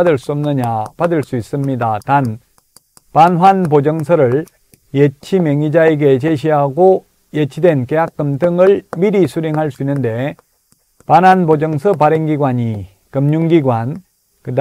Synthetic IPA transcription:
adɯɭs͈uʌmnɯɲapadɯɭs͈uis͈ɯmɲidatan | panɦwanpod͡ʑʌŋsʰʌɾɯɭ | jet͡ɕʰimeŋid͡ʑaeɡe̞t͡ɕe̞ɕʰiɦaɡo | jet͡ɕʰidwe̞nke̞jak̚k͈ːɯmdɯŋɯɭmiɾisʰuɾeŋɦaɭs͈uinːɯnde̞ | panɦanpod͡ʑʌŋsʰʌpaɾeŋɡiɡwaɲi | kɯmɲuŋɡiɡwan | kɯd

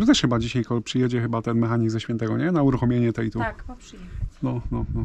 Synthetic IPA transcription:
t̪ɔt̪ɛʂxɘbad͡ʑiɕajkɔpʂɘjɛd͡ʑɛxɘbat̪ɛnmɛxaɲiɡzɛɕfʲjɛnt̪ɛɡɔɲɛnauɾuxɔmʲjeɲɛt̪ɛjt̪ukpʂjnɔnɔnɔ

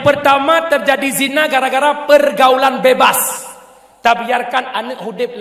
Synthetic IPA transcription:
pərt̪amãt̪ərd͡ʒadizinaɡaɾaɡaɾapərɡaulanbebas | t̪abiarkananəʔhudɪp̚l

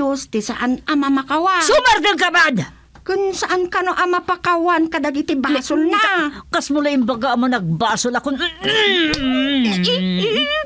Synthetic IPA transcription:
ost̪ɪsaʔanamamakawasʊmaɾd̪ɪŋkabad̪ | kʊnsaʔankɐnoʔɐmapakawankɐd̪aɡɪt̪ɪbaːsʊlnakasmʊlaɪmbaɡaʔmanɐɡ̚baːsʊlakʊn

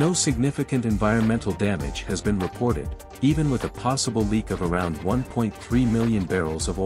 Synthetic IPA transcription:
noʊsɨɡ̚nɪfɨkɨ̃ntɨ̃ɱvaɪɹɨ̃nmɛ̃ntʰˡl̩ˠdæmɨ̰d̥ʒ̥ɨzbɨ̃nɹɨpʰɔɹɾɪ̰ɾ | ivɨ̃nwəðəpʰɑsəbl̩ˠlikʌvə˞ãʊ̃nd̚wʌ̃npʰɔ̃ɪ̃nθɹimɪlˠjɨ̃nbɛɹl̩ˠzʌv

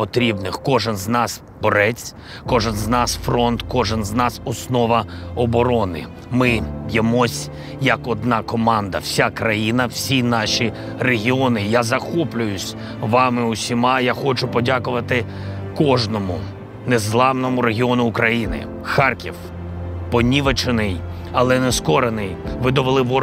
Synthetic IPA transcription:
pɔt̪ɾʲibnɪxkɔʒɛnznɑs | bɔɾɛt͡sʲ | kɔʒɛnznɑsfɾɔnt̪kɔʒɛnznɑsɔsnɔʋɐɔbɔɾɔnɪ̰ | mɪjɐmɔsʲ | jɐkɔd̪nɑkɔmɑnd̪ɐ̰wsʲakɾɐjinɐw̥sʲinɑʃʲi | reɦʲiɔnɪjazɐxɔplʲʊjʊsʲ | ʋɑmɪʊsʲimɑjaxɔt͡ʃʊpɔdʲakʊʋɐt̪ɪ | kɔʒnɔmʊ | nezlˠɑwnɔmʊɾeɦʲiɔnʊːkɾɐjinɪ̰ | xɑrkʲiw | pɔnʲiʋɐt͡ʃɪnɪj | ɐlˠɛnɛskɔɾenɪjʋɪd̪ɔʋelˠɪʋɔ

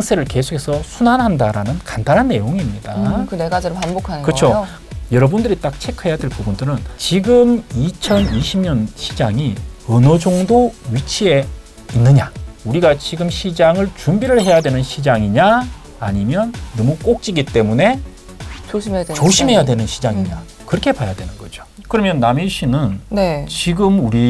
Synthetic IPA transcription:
aŋsʰe̞ɾɯɭke̞sʰo̥kʰesʰʌsʰunanɦandaɾanɯnkandanɦanːe̞joŋiːmɲidakɯneɡad͡ʑiɾopanbokʰakɯt͡ɕʰo | jʌɾʌbundɯɾit͈ak̚t͡ɕʰe̞kʰɯɦe̞jadwe̞ɭpubundɯɾɯnt͡ɕiɡɯmit͡ɕʰʌniɕʰimɲʌnɕʰid͡ʑaŋiʌnʌd͡ʑoŋdoɥit͡ɕʰie̞ | inːɯɲauɾiɡat͡ɕiɡɯmɕʰid͡ʑaŋɯɭt͡ɕumbiɾɯɭhe̞jadwe̞nɯnɕʰid͡ʑaŋiɲa | aɲimjʌnːʌmuk͈ok̚t͡ɕ͈iɡit͈e̞mune̞ | t͡ɕoɕʰimɦe̞jadwe̞nɯnɕʰid͡ʑaŋiɲa | kɯɾʌkʰe̞pajadwe̞nɯnɡʌd͡ʑo̥kɯɾʌmjʌnːamiɕʰinɯnnet͡ɕiɡɯmuɾi

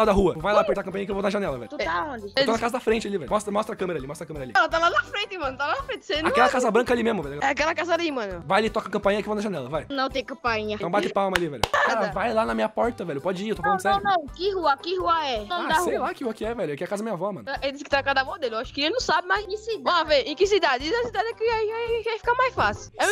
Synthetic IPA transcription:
ad̪ɐɦuɐvajlapeɾt̪aɐkɐ̃mpɐ̃ɲĩɲɐkɪewvonɐʒanɛlɐvɛ̰ʎʊt̪ut̪aõd͡ʒɪõnakazɐd̪ɐfɾẽnt͡ʃɪalivɛjʊmɔst̪ɾɐmɔst̪ɾɐkɐ̃meɾalimɔst̪ɾɐkɐ̃meɾalḭlt̪alad̪ɐfɾẽnt̪ɪmɐ̃nʊt̪avaɐfɾẽt͡ʃ̪ɪ̥sejnãɛlɐkazɐbɾɐ̃ŋkɐalimezmʊvɛljʊɡɛakɛlɐkazɐd̪imɐ̃nʊvajɐlit̪ɔkɐkɐ̃mpãĩɲɐkivod̪ɐʒanɛlɐvajnɐ̃w̃t̪ẽjkɐ̃paĩɲɐt̪ɐ̃w̃bat̪ɪpawmɐlivɛʎʊaaɾvajlanɐmĩɲɐpɔɾt̪ɐvɛʎʊpɔd͡ʒɪiewt̪oflɐ̃sɛɾ̃w̃nɐ̃w̃kɪhuɐkɪhuɐɛɐ̃d̪asejlakɪhuɐkɪɛvɛʎʊɐkɛakazɐd̪mĩɲɐvɔmɐ̰̃nʔed̪is̬kɪ̥t̪ãkad̪amod̪elɪewaʃʊ̥kɪelɪnɐ̃sabɪmazĩkɪsivɐ̃aveɾẽkɪsid̪ad͡ʒɪizɐsid̪ad͡ʒɪɛkɪaivavajfi̥kamajsfasɪʊɛ

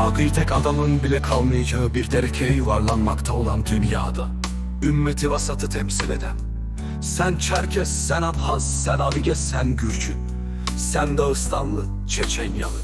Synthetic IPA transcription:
aɡɯɾt̪ʰɛkad̪amɯnbilʲɛkʰalˠmɯjad͡ʒaɦɯbiɾt̪ʰeɾɛcʰejvaɾlˠanmakt̪ʰao̞lˠand̪ynja̰ːd̪a | ymːet̪ʰivasat̪ʰɯt̪ʰɛmsilʲḛd̪æm | sænt͡ʃʰæɾcʰɛsːænat̪hazːænaviɟʲɛsænɟyɾt͡ʃʰy | sænd̪aɯst̪ʰanlˠɯ | t͡ʃʰɛt͡ʃʰɛnja̰lˠɯ

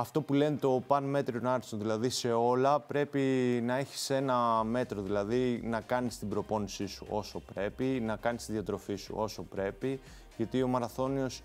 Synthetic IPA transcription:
ɐft̪o̞pule̞nt̪o̞pɐnme̞t̪ɾionɐɾsonðilɐðise̞o̞lɐpɾe̞pinɐeçi̥se̞nɐme̞t̪ɾo̞ðilɐðinɐkɐnist̪ibɾo̞po̞nisisuo̞so̞pɾe̞pinɐkɐnist̪iðijɐt̪ɾo̞fisṵo̞so̞pɾe̞pi | ʝɐt̪io̞mɐɾɐθo̞nio̞s

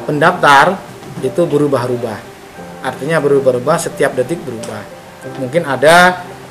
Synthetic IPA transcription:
pəndaft̪ar | it̪ubəɾubaɦɾubah | ʔart̪iɲabəɾubahɾubahsət̪iap̚dət̪ɪk̚bəɾubah | muŋkɪnada

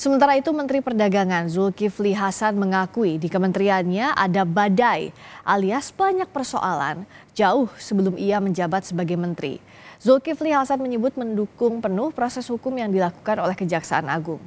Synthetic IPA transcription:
səmənt̪aɾait̪umənt̪ɾipərdaɡaŋanzulkifliɦasanməŋakuidikəmənt̪ɾianɲaʔa̰dabadajʔaliasb̥aɲak̚pərso̰ʔa̰la̰nd͡ʒaʊhsəbəlʊmʔiaməɲd͡ʒabat̪̚səbaɡajmənt̪ɾḭ | zulkifliɦasanməɲəbʊt̪̚məndukʊŋpənʊhpɾosɛshukʊmjaŋdilaku̥kanolɛhkəd͡ʒaksaa̰na̰ɡʊŋ

